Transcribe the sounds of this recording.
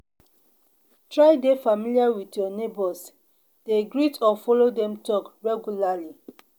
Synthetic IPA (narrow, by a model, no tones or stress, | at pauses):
tɹajdefamiliawitjɔnebɔs | d̥eɡɹitʰɔfɔlodɛ̃mtɔkɹɛɡulali